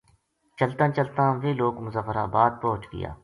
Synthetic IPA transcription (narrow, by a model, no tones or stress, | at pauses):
t͡ʃɐlt̪ãːt͡ʃəlt̪ãːʋeːloːkmʊzəfəɾa̰ːbaːd̪̚pɔɦʊt͡ʃɡɪ̰ja̰ː